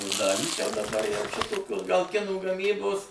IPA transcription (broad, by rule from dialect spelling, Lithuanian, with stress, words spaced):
oː ˈdɑːlʲiːs jɛʊ dɐˈbɐr jɛʊ ˈʃʲɪtoːkʲoːs ɡɐlˠ ˈkʲɪnuː ɡɐˈmʲiːboːs